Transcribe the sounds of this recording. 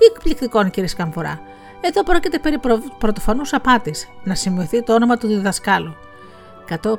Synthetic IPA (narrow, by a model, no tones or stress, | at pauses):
ekplikt̪iko̞nciɾieskɐmpuɾɐ̰ | e̞ðo̞pɾo̞cit̪e̞pe̞ɾipɾopɾot̪o̞fonusɐpɐt̪isnɐsimiiθit̪oonomɐt̪uðiðɐskɐlu | kɐt̪o